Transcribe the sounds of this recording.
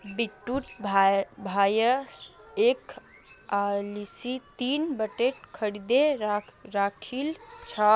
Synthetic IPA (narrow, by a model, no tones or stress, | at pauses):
biʈːuʈbʱbʱajə | ek | alisit̪inbəʈeʈkʰəɽid̪eɾɾakʰilt͡ʃʰə